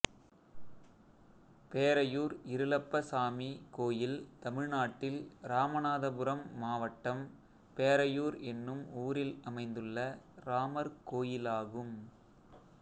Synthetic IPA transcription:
peːɾɐjuːɾɪɾɯlɐpːɐsaːmikoːjɪlt̪ɐmɪɻnaːʈːɪlɾaːmɐnaːðɐbɯɾɐmːaːʋɐʈːɐm | peːɾɐjuːɾɛnːɯmuːɾɪlɐmɐɪnd̪ɯɭːɐɾaːmɐɾkoːjɪlaːɣɯm

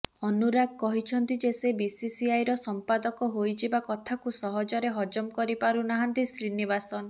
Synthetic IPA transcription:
ɔnuɾaɡ̚kɔɦit͡ʃʰɔnt̪id͡ʒesebisisiajɾɔsɔmpad̪ɔkɔɦojd͡ʒebakɔt̪ʰakusɔɦɔd͡ʒɔɾeɦɔd͡ʒɔmkɔɾipaɾunaɦant̪isɾinibasɔn

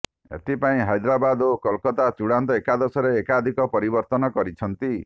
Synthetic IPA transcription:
ḛt̪ipaĩɦajd̪ɾabad̪okɔlkɔt̪at͡ʃuɽant̪ɔekad̪ɔsɔɾeːkad̪ʱikɔpɔɾibɔɾt̪ɔnɔkɔɾit͡ʃʰɔnt̪i

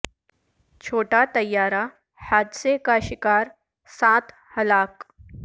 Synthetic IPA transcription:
t͡ʃʰoːʈat̪əjːaːɾa | haːd̪sekaʃɪkaːɾ | sãt̪ | həlaːk

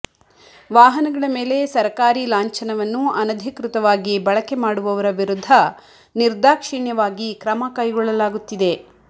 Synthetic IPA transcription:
ʋaːɦɐnɐɡɐɭɐme̞ːle̞sɐɾkaːɾilaːɲt͡ʃɐnɐʋɐnːuɐnɐd̪ʱikɾut̪ɐʋaːɡibɐɭɐke̞maːɽuʋɐʋɐɾɐʋiɾud̪ʱːɐ | niɾd̪aːkʂiɳjɐʋaːɡikɾɐmɐkɐjɡɔɭːɐlaːɡut̪ːid̪e̞

